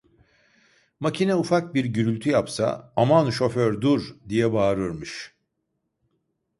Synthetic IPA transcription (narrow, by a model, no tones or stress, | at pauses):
macʰinɛufak̚biɾɟyɾylʲt̪ʰyjapsa̰amanʃo̞føɾd̪uɾd̪ijɛbaːɾɯɾmɯʃ